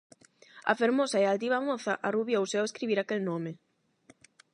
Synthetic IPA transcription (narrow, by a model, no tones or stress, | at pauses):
ɐ̰feɾmosɐealt̪iβ̞amoθɐʔaruβjowsɛoweskɾiβiɾakelnome